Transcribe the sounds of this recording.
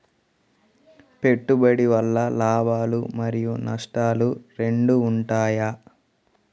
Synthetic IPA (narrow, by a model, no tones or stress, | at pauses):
pe̞ʈːubɐɽiʋɐlːɐlaːbaːlumɐɾijunɐʂʈaːluɾe̞ɳɖuːɳʈaːja